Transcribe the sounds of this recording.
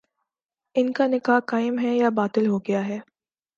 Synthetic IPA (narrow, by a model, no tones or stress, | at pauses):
ɪnkanɪkaːɦkaːɪmɦɛjabaːt̪ɪlɦoɡɐjaɦɛː